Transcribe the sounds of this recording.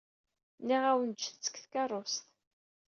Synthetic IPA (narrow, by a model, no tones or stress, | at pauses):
nːiʁæwənt͡ʃːθt͡sːə̥kθkɑrˤːost̪